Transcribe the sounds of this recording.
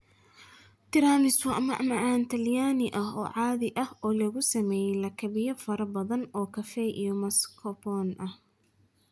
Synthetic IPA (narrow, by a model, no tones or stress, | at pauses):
t̪ʰɪɾaːmɪswɐʔɐmɐʔmɐʕaːnt̪ʰɐljaːnɪʔɐɦɔːʕɑːðɪʔɐhɔːlɐɣʊsɐmɛːjɛlɐkʰɐβɪjɐfɐɾɐbɐðɐnɔːkʰɐfɛʔijɔmɐskʰɔpɔːnʔɐh